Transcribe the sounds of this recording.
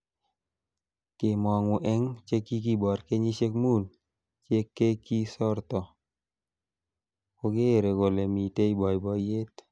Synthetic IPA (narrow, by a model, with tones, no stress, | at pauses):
kɪ˨mɔ˨ŋwʊ˨ʔɛ˦ŋt͡ʃe˦ki˦ki˦bɔ˨ɾke˦ɲi˦ʃe˦kmu˦n | t͡ʃje˦kːe˦ki˦sɔ˦ɾt̪ɔ˨ | ko˧ɡe˦˨ɾe˨ko˨le˨mi˨te˦i˦bɔ˨jbɔ˨je˦t̪